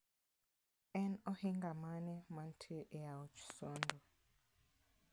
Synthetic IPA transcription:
ɛnɔhiŋɡamanɛmantʰeʔɛaut͡ʃʰu̥sɔndɔ

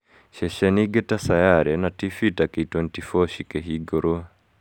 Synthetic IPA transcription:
ʃɛʃɛniɡɛtasajaɾɛnatifitakeitwɔntifɔʃikɛɦiɡɔɾɔ

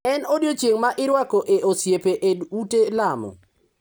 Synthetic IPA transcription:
ɛnodjot͡ʃjeŋmaʔɪɾwakoʔeʔosjepeʔedutelamɔ̰

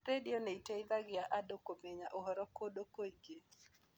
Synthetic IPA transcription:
ɾedɪoneiteɪðaɡɪaʔadokomeɲaʔoɦɔɾɔkodokoiɡe

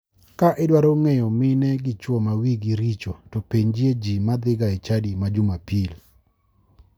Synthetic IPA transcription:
kaʔɛdwaɾoŋɛjɔmɪnɛɡɪt͡ʃwɔmawiɡiɾit͡ʃotɔpeɲd͡ʒjed͡ʒimad̪ɪɡaɛt͡ʃadimad͡ʒʊmapil

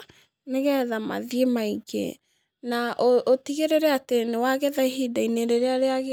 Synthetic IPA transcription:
neɣɛðama̰ðiemaiɡḛ | naʔootiɣeɾeɾɛatenewaɣɛðaiɦidaineɾeɾeaɾeaɣ

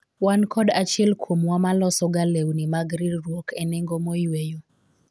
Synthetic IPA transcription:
wankʰɔdat͡ʃɛlkwomwamalɔsɔɡalewnimaɡɾidɾwokɛnɪŋɡomojwejo

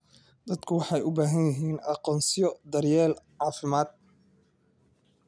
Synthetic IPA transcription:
d̪̥ɐd̪kʰʊwɑħɑjʊbaːɦɐnjɐɦiːnɑqɔːnsɪjɔd̪ɐrjɛːlʕɑːfɪmaːd̪̚

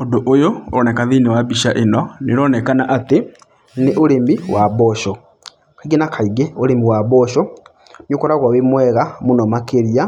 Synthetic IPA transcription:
odoʔojoɔnɛkaðinewabiʃaʔenɔneɾɔnɛkanaʔate | neʔoɾembiwʔaβɔʃɔ | kaiɡenakʰaiɡeoɾemiwaβɔʃɔ | njokɔɾaɣwawemwɛɣamonɔmakeɾia

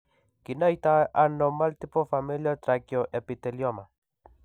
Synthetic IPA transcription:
kinajt̪aʔanomalt̪ipofamiljot̪ɾakjoʔepit̪eljoma

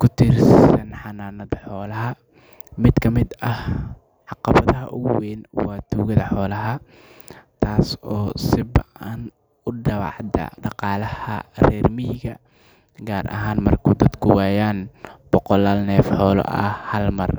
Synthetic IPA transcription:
kʰʊt̪ʰɪrssɐnħɑnaːnɐðɐħɔːlɐɦɐ | mɪd̪kʰɐmɪd̪ɐh | ʕɑqɑβɐðɐɦɐʔʊɣʊwɛːnwɑːt̪ʰuːɣɐðɐħɔːlɐɦɐ | t̪ʰaːsɔːsɪbɐʔɐn | ʊɖɐβɑ̰ʕd̪ɐ̰ɖɑqɑːlɐhɐ̰rɛːrmɪjɣɐ | ɡaːrʔɐ̰ɦaːnmɐrkʰʊd̪ɐd̪kʰʊwaːjaːnb̥ɔqɔlaːlnɛːfħɔːlɔ̰ʔɐ̰hɐlmɐr

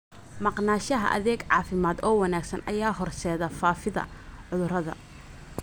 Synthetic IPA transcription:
mɑqnaːʃɐɦɐ̰ʔɐ̰ðɛːɡʕɑːfɪmaːd̪ɔːwɑnaːɡsɐnʔɐ̰jaːɦɔrsɛːðɐfaːfɪðɐ̰ʕʊðʊrɐðɐ̰

